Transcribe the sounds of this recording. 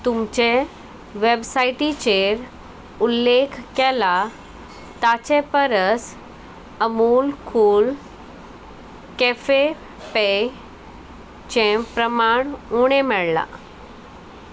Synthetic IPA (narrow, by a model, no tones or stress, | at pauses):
t̪umt͡ɕe | ʋebsaiʈit͡ɕeɾ | ulːekʰkɛla | t̪at͡ɕẽpəɾəs | əmulkʰuːl | kefe | pe | t͡ɕẽpɾəmaɳuɽ̃emɛɭla̰